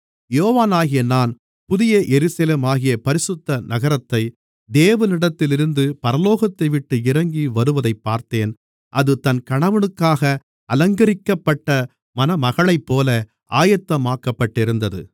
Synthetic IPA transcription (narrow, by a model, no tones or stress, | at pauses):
joːʋaːnaːɣɪjɐnaːn | pʊðɪjɐʔɛɾɯsɐleːmaːɣɪjɐpɐɾɪsɯt̪ːɐnɐɣɐɾɐt̪ːɐɪ | d̪eːʋɐnɪɽɐt̪ːɪlɪɾɯnd̪ɯpɐɾɐloːɣɐt̪ːɐɪʋɪʈːɯɪɾɐŋɡiʋɐɾɯʋɐðɐɪpːaːɾt̪eːn | ʔɐðɯt̪ɐnkɐɳɐʋɐɳɯkːaːɣɐ | ɐlɐŋɡɐɾɪkːɐpːɐʈːɐ | mɐnɐmɐɣɐɭɐɪpːoːlɐ | ʔaːjɐt̪ːɐmaːkːɐpːɐʈːɪɾɯnd̪ɐðɯ̰